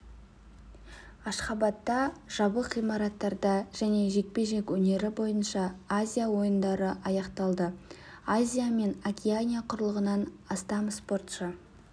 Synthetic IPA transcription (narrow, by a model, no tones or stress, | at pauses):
ɑʃχɑbɑt̪ːɑʒ̥ɑbəqijmɑɾɑt̪ːɑɾd̪ɑʒ̥æne̞ʒe̞k̚pe̞ʒe̞kʲwɵne̞ɾɪbo̞jənʃɑazʲijawo̞jənd̪ɑɾəʔɑjɑqt̪ɑlˠd̪ə | azʲijame̞nakʲianʲijaqʰʊɾəlˠəʁənɑn | ɑst̪ɑmspo̞rt̪ʃə